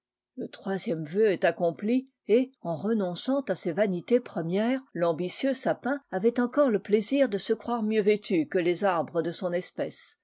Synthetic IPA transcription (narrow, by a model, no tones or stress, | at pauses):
lət̪χwazjɛmvøɛt̪akɔ̃pli | eɑ̃ʁənɔ̃sɑ̃t̪asevanit̪epχəmjɛːʁlɑ̃bisjøsapɛ̃avɛt̪ɑ̃kɔʁləpleziʁd̪əsəkχwaʁmjøvet̪ʰykəlezaʁbʁəd̪əsɔ̃nɛspɛs